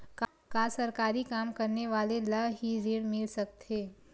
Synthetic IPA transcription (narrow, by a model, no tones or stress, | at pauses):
k | kasɐɾkaːɾikaːmkɐɾneʋaːlelɐbɦiɾeːɽmɪlsɐk̚t̪ɦeː